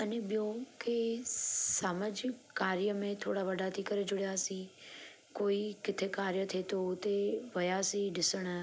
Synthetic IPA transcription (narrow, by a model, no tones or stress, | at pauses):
ənebɪjõke | saːmad͡ʒɪkːaːɾjəmẽt̪ʰoːɽaʋəɖat̪ʰikəɾed͡ʒʊɽjasĩ | koːikɪt̪ʰekaːɾjət̪ʰet̪oʊt̪eʋəjasĩɖɪsəɽ̃